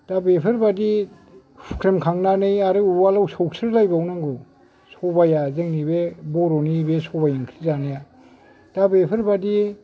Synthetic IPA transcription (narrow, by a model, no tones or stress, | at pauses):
d̥abepʰɯɾbadi | u̥kʰɾemkʰaŋnanɯjaɾɯualawsɔwsʰɯɾlajbawnaŋɡu | sɔbajazeŋnibebɔɾɔnibesɔbajaŋkʰɾizanaja | d̥abepʰɯɾbadi